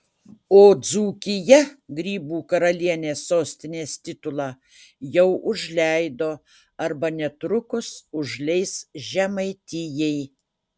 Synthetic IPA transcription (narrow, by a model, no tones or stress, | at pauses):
oːd̪zuːkʲɪjɛɡɾʲiːbuːkɐɾɐlʲiɛnʲeːsoːsʲt̪ʲɪnʲeːsʲt̪ʲɪt̪ʊlˠɑː | jɛʊʔʊʒʲlʲɛɪd̪oː | ɐɾbɐnʲɛt̪ɾʊkʊsʊʒʲlʲɛɪsʒʲɛmɐɪt̪ʲɪjɛɪ